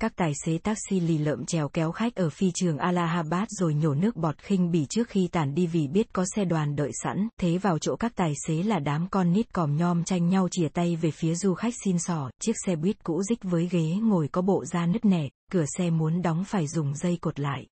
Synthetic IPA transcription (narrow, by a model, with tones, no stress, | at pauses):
kaː˦˥k̚t̪aː˨˩jse˨˦t̪aː˦˥k̚si˧li˧˩lə̰ː˧˨mt͡ɕɛ˨˦wkɛ˨˦wxa˦˥jk̟̚ʔəː˧˩fi˧t͡ɕɨ˨˩əŋʔaː˧laː˧ɦaː˧ɓaː˦˥t̚zo˨˩jɲo˧˩nɨ˦˥ək̚ɓɔ˨˩t̚xï˧ŋ̟ɓi˧˩t͡ɕɨ˦˥ək̚xi˧t̪aː˧˩nɗi˧vi˧˨˩ɓi˦˥ət̚kɔ˨˦sɛ˧ɗwaː˨˩nɗə̰ː˧˨jsa̰˧˥nt̪ʰe˨˦vaː˨˩wt͡ɕo̰˧˥kaː˦˥k̚t̪aː˨˩jse˨˦laː˨˩ɗaː˨˦mkɔ˧nːi˦˥t̚kɔ˨˩mɲɔ˧mt͡ɕa˧jŋ̟ɲa˧wt͡ɕi˧˩ət̪a˧jve˨˩fi˨˦əzu˧xa˦˥k̟̚si˧nsɔ˧˩t͡ɕi˦˥ək̚sɛ˧ɓwi˦˥t̚kṵ˧˥zï˦˥k̟̚vəː˨˦jɣe˨˦ŋo˨˩jkɔ˨˦ɓo̰˧˨zaː˧nɨ˦˥ək̚nɛ˨˩kɨ˧˩əsɛ˧mu˨˦ənɗɔ˨˦wŋ͡mfaː˧˩jzʊ˨˩ŋ͡mzə˧jko˨˩t̚la̰ː˧˨jʔ